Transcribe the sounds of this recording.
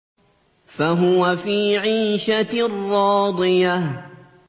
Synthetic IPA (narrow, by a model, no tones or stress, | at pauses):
faɦʊwafiːʕiːʃarːɑːd̪ˤɨja